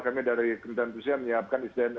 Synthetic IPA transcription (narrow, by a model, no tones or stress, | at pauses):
kamidaɾikənt̪ant̪usiaməɲəap̚kanistɛn